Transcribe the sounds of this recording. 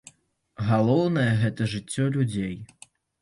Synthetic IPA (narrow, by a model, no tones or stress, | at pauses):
ɣalˠɔwnɐjɛɣɛt̪ɐʐɨt͡sʲːɔlʲud͡zʲej